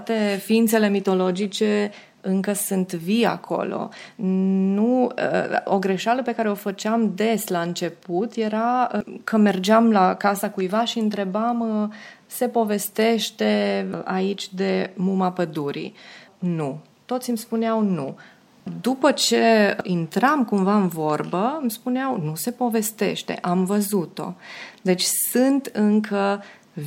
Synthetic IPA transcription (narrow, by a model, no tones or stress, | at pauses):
t̪e̞fiint̪se̞le̞mit̪o̞lo̞d͡ʒit͡ʃe̞ | ɨŋkəsɨnt̪via̰kʰo̞̰lo̰ | nuə̰oɡɾe̞ʃaləpe̞kaɾe̞o̞fət͡ʃeamd̪e̞slaɨnt͡ʃe̞put̪je̞ɾakʰəme̞rd͡ʒamlakasakujvaʃiɨnt̪ɾe̞bam | se̞po̞ve̞st̪e̞ʃt̪e̞ait͡ʃʲd̪e̞mumapəd̪uɾḭnu | t̪o̞t̪sʲimspuneawnṵ | d̪upət͡ʃe̞int̪ɾamkumvaɨnvo̞rbəmspuneawnuse̞po̞ve̞st̪e̞̰ʃt̪e̞̰ʔamvəzut̪o̞̰d̪e̞t͡ʃʲsɨnt̪ɨŋkʰə